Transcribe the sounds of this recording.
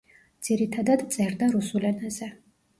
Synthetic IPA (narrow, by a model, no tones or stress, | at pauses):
d̪z̥iɾit̪ʰad̪ad̪t̪sʼɛɾd̪aɾusulɛnazɛ